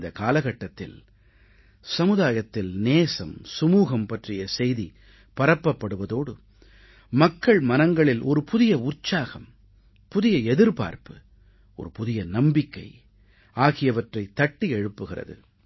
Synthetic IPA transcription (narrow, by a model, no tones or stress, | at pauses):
d̪ɐkaːlɐɣɐʈːɐt̪ːɪ̰l | sɐmɯðaːjɐt̪ːɪlneːsɐmsʊmuːɣɐmpɐʈrɪjɐsɛjði | pɐɾɐpːɐpːɐɽɯʋɐðoːɽɯ | mɐkːɐɭmɐnɐŋɡɐɭɪlʔɔɾɯpʊðɪjɐʊrt͡ʃːaːɣɐm | pʊðɪjɐɛðɪɾpa̰ːɾpɯ | ɔ̰ɾɯpʊðɪjɐnɐmbɪkːɐ̰ɪ | aːɣɪjɐʋɐʈrɐɪt̪ːɐʈːiɛɻɯpːɯɣɪrɐ̰ðɯ̰